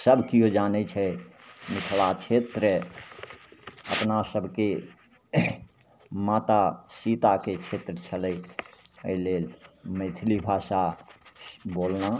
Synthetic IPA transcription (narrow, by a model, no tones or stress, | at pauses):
səbkiɦod͡ʒanɛt͡ʃʰɛmɪkʰlat͡ʃʰet̪ɾə | ə̰pnasəbʱke | maːt̪asit̪aket͡ʃʰet̪ɾət͡ʃʰələiəɦilelmet̪ʰlibʱaʃa | boːlna